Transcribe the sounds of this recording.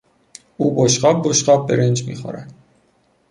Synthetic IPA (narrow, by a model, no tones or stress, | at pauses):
uːboʃɢɒːb̚boʃɢɒːb̚beɾend͡ʒmḭːxo̰ɾæd̪̥